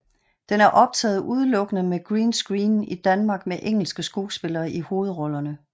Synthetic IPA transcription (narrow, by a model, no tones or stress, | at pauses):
d̥enæɐʔɒ̽b̥̚t͡sʰɛ̰ːð̞̩ˠuð̞ˠlɔ̽ɡ̥ənəmeɡ̥ʁiːnsɡ̥ʁiːnid̥ænmɑ̈ːɡ̥̚meʔeŋ̰l̩sɡ̥əsɡ̥u̥ːsb̥e̝lɐːʔiho̝ːð̞̩ˠʁɒ̽lɐnə